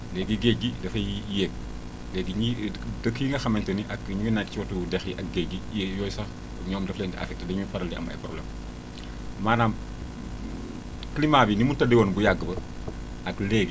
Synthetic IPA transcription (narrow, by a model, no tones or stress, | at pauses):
lɛːɡiɡɛɡidɐfɐjjɛk̚ | lɛːɡiidɐkiŋɡɐxɐmɐntɐniʔɐkɲuŋɡɐnakːciwɐtudɛxjiʔɐk̚ɡɛɡijɔːjsɐx | ɲɔːmdɐflɛːndiʔɐ̰fɛk̚tədɐɲmufɐɾɐldiʔɐ̰mɐ̰pɾɔblɛm | maːnaːm | klimabinimuntɐdɛwonbujaɡːəbɐ | ɐklɛːɡi